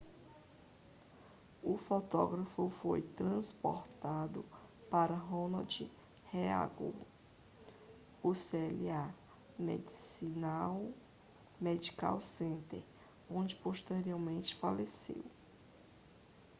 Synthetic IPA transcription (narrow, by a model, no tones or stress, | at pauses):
ʊfot̪ɔɡɾɐfʊfojt̪ɾɐ̃spo̰ɾt̪ad̪ʊ | paɾɐɦõnad͡ʒi | hea̰ɡṵl | ʊseɛlia | mḛd͡ʒisinaw | med͡ʒika̰wsẽnt̪ḛɾ | õd͡ʒɪpoʃt̪eɾioɾmẽnt͡ʃɪ̥falesḛw